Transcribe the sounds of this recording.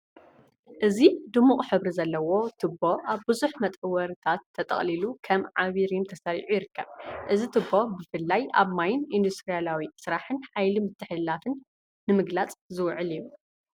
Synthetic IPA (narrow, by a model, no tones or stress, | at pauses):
ʔɨzid̪ɨmːuχʼħɨβɾizɐlːɐwo̞t̪ʰɨbːo̞ʔaβbɨzuħmɐt̪ʼɨwɐɾɨt̪ʰat̪ʰːɐt̪ʼɐ̰χʼlilukʰɐmʕaβiɾmt̪ʰɐsɐɾḭʕujɪɾɨkʰːɐβʔɨzit̪ʰɨbːobɨfɨlːaja̰βmajɪnind̪ust̪ɾijalawisɨɾaħɨnħajlimɨt̪ʰːɨħɨlːafɨnː | ɨmɨɡlat͡sʼzɨwʕɨliju